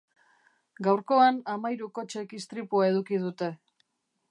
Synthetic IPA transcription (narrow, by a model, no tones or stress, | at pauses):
ɡawɾko̞anamajɾuko̞t͡ʃe̞kist̪ɾipuae̞ð̞ukið̞ut̪e̞